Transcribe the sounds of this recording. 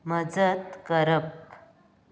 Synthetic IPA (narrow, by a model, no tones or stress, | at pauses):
məd͡zət̪kəɾəp̚